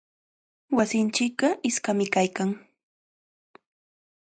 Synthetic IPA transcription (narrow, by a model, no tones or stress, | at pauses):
wasɪnt͡ʃɪk̚ɢɑʔɪskamɪkajkaŋ